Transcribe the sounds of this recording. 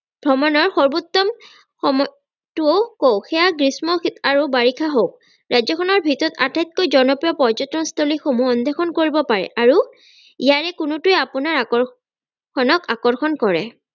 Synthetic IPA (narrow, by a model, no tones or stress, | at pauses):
b̥ʱɹɔmɔnɔɹxɔɹbut̪ːɔm | xɔm | tuokowxʰɛaɡɹismɔxitaɹubaɹikʰaɦok̚ | ɹajzɔkʰɔnɔɹbʱitɔta̰tʰajt̪̚kojzɔnɔpɹijɔpɔd͡ʒɔtːɔnst̪ʰolixomuɔnd̪ʱɛxʰɔnkoɹibɔpaɹɛ̰ʔaɹu | ijaɹɛkʊnʊtuɛapʊnaɹaɔ | kʰɔnɔkakɔɹxʰɔnkɔɹɛ̰